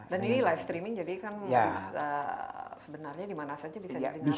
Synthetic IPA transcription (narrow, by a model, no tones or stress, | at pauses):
daninilajfst̪ɾimɪŋd͡ʒadikanjaəsəbənarɲadimanasad͡ʒabibsaadii